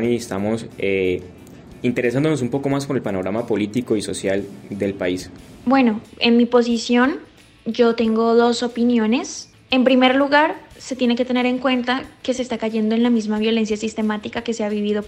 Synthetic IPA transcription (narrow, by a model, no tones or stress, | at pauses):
niest̪amo̞se | int̪e̞ɾes̬and̪onos̬umpo̞ko̞maspoɾe̞lpano̞ɾamapo̞lit̪iko̞iso̞sjald̪e̞lpaisbwe̞no̞e̞nmipo̞s̬isjo̞n | d͡ʒo̞t̪e̞ŋɡo̞ðo̞so̞pinjo̞ne̞s | e̞mpɾime̞ɾluɣaɾse̞t̪jene̞ke̞t̪e̞ne̞ɾe̞ŋkwe̞nt̪ake̞se̞ːst̪akaʝe̞nd̪o̞e̞nlamizmaβjo̞le̞nsjasist̪e̞mat̪ikake̞seaβiβiðo̞